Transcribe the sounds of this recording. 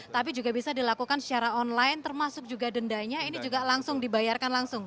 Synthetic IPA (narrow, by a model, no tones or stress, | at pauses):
t̪ap̬id͡ʒuɡabisadilakukansət͡ʃaɾaɔnlaɪnt̪ərmasʊk̚d͡ʒuɡadəndaɲainid͡ʒuɡalaŋsʊŋdibajarkanlaŋsʊŋ